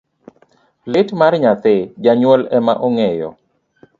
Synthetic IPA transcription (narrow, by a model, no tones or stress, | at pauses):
lɪtmarɲat̪ɪd͡ʒaɲwɔlɛmaʔɔŋɛjɔ̰